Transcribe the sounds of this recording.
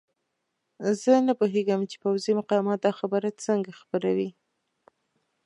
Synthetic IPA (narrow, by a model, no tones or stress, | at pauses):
zənapoɦeɡəmt͡ʃe̥pawzimʊqɑmɑt̪̚d̪ɑxabəɾat͡səŋɡaxpəɾawi